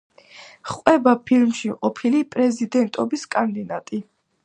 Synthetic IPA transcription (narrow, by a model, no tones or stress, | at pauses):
χqʼwɛbapʰilmʃiqʼɔpʰilipʼɾɛzid̪ɛnt̪ʼɔbiskʼand̪inat̪ʼi